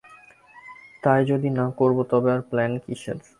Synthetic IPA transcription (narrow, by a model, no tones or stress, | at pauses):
t̪ajd͡ʑod̪inakoɾbot̪ɔbeaɾplɛnkiʃḛɾ